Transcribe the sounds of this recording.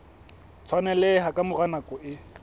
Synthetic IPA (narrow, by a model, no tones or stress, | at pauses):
t͡sʰwanɛleɦakʼamʊranakʼɔʔɪ